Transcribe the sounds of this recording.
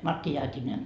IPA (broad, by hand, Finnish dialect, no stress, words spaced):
mɑtːi jɑːtʲineŋ